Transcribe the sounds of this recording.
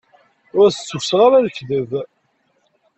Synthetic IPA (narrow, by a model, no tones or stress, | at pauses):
ʊɾθə̥t͡sːufsʁaɾæðəçðəv